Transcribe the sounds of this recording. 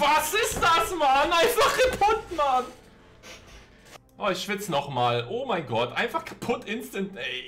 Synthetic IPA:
vasɪstd̥asmanʔaɪnfaχkʰapʰʊtman | ʔoːɪçʃv̥ɪt͡sənɔχmaːlʔoːmaɪnɡɔtʔa̰ɪnfaχkʰḁpʰʊtʰʔɪnstəntɛɪ

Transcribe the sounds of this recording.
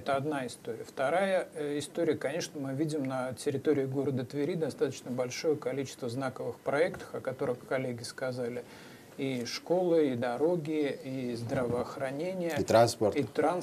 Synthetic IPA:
ɛt̪əɐd̪naɪst̪o̞ɾʲɪ̰jəft̪ɐɾajəɪst̪oɾʲɪjəkɐnʲe̞ʂnəmɨvʲidʲɪmnətʲɪɾʲɪt̪o̞ɾʲɪːɡo̞ɾəd̪ət̪vʲɪɾʲid̪ɐst̪at̪ə̥t͡ɕnəbɐlʲʂo̞jəkɐlʲit͡ɕɪ̥st̪vəznakəvɨxpɾɐɛkt̪ə̥xɐkɐt̪o̞ɾɨxkːɐlʲeɡʲɪskɐzalʲɪ | iʂko̞lˠɨid̪ɐɾo̞ɡʲɪizd̪ɾəvəɐxɾɐnʲenʲɪjət̪ɾanspərit̪ɾans

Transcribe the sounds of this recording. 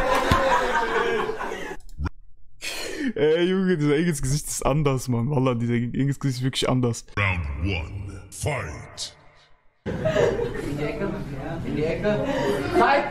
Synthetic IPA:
ʔɛjʊŋədiːzɐɪɡənsɡ̥əzɪçtɪ̥sʔa̰ndɐsmanvalɐdiːzɐʔɪɡən̩sɡ̥əzɪçtv̥ɪɐklɪçʔa̰ndɐsãʊ̃ndwʌ̰̃nfaɪt

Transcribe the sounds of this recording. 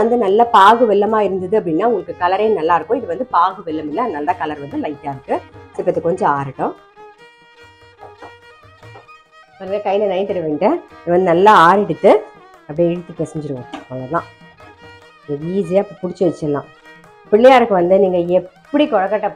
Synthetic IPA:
ɐnd̪ɯnɐlːɐpaːɣɯʋɪlːɐmaːɪɾɯnd̪ɐðɯɐp̬ːɐɽɪnːaːʊŋɡɐɭɯkːɯkɐlɐɾeːnɐlːaːɪɾɯkːʊ̃ɪðɯʋɐnd̪ɯpaːɣɯʋɪlːɐmɪlːɐnɐlːaːkɐlɐɾʋɐnd̪ɯlɐɪʈːaːɪɾɯkːɯsɪpːɐt̪ːɯkɔɲd͡ʒɔ̃aːɾɐʈːʊ̃ | pɐɾlɐkɐjlɐnɐɪt̪ːɪɾɐʋeːɳʈɛɪðɯʋɐnd̪ɯnɐlːaaːɾɛɽɯt̪ːɯɐpːɐɽiɛɽɯt̪ːɯpeːsɪɲd͡ʒɪɾɯŋɡɐpɐlːɐlãː | ɐiːsɪjaːɪpːɐpʊɽɪt͡ʃːɯʋɛt͡ʃːɛlːã̰ː | pɪɭːɐjaːɪɾɯkːɯʋɐnd̪ɯniːŋɡɐɛpppːɐɽikɔɻɐkːɐʈːɐ

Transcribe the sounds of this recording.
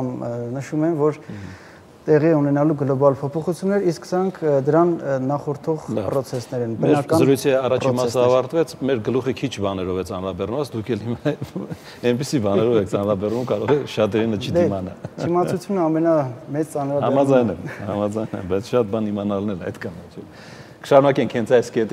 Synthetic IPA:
mnəʃumɛnvɔɾ | t̪ɛʁiɛunɛnɑluɡəlɔbɑlpʰɔpʰɔχut͡sʰjunːɛɾisksəɾɑŋkʰd̪əɾɑnːɑχɔɾt̪ʰɔʁpɾɔt͡sʰɛsnɛɾɛnbməɛɾɑkɑzəɾujt͡sʰiɑrɑt͡ʃɾʰimɑsəɑvɑɾt̪vɛt͡sʰmɛɾɡəluχəkʰit͡ʃʰbɑnɛɾɔvɛt͡sɑnɾɑbɛrnəvɑt͡sʰd̪ukʰɛlhimɑ | ɛnpisibɑnɛɾɔvɛkʰt͡sɑnɾɑbɛrnumkɑɾɔʁɛʃɑt̪ɛɾinət͡ʃʰid̪imɑnɑt͡ʃimɑt͡sʰut͡sʰjunəɑmɛnɑmɛt͡st͡sɑnɾɑbɑmɑd͡zɑjnɛmhɑmɑd͡zɑjnɛ̰mbɑjt͡sʰʃɑt̪̚bɑnimɑnɑlnɛɾɑ̰jt̪kʰɑnɛt͡ʃʰɛl | kə̥ʃɑɾunɑkɛŋkʰhɛnt͡sʰɑjskɛt̪

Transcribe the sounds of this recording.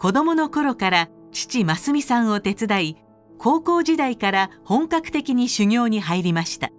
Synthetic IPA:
ko̞d̪o̞mo̞no̞ko̞ɾo̞kaɾa | t͡ɕi̥t͡ɕimasɨmʲisãɰ̃o̞t̪e̞t͡sɨd̪ai | kʰo̞ːko̞ːʑid̪aikaɾahõ̞ŋkakɯ̟̥t̪e̞kʲiɲ̟iɕɨŋʲo̞ːɲ̟iɦaiɾʲimaɕi̥t̪a̰

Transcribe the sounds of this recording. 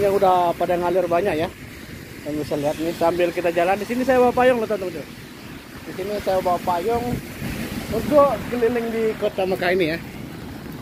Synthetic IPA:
ɲaŋudahpadaŋalirbaɲaʔja | jaŋbisaliɦat̪̚nɪt̪ambɪlkit̪ad͡ʒalandisinisajabawapajɔŋloht̪ɔnt̪ɔŋt̪u | disinisajabawapajɔŋ | ərɡokəlilɪŋdikot̪amakainija

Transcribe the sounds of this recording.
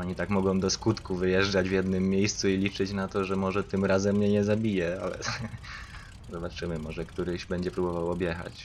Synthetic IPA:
aɲit̪akmɔɡɔ̃w̃d̪ɔskut̪kuvɘjɛʐd͡ʐad͡ʑvjɛd̪nɘmːʲjejst̪suilʲit͡ʂɘt͡ɕnat̪ɔʐɛmɔʐɛt̪ɘmɾazɛmːɲɛɲɛzabʲijɛalɛ̰ | zɔbat͡ʂɘmɘmɔʐɛkt̪uɾɘɕbɛɲd͡ʑɛpɾubɔvawɔbʲjɛxa̰t͡ɕ

